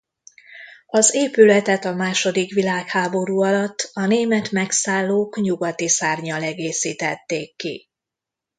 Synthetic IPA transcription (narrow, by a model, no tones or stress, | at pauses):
ɒzeːpylɛt̪ɛt̪ɒmaːʃo̞d̪ikʋilaːkhaːbo̞ɾuːɒlɒt̪ːɒneːmɛt̪mɛksaːlːoːkɲuɡɒt̪isaːrɲɒlɛɡeːsiːt̪ɛt̪ːeːkːḭ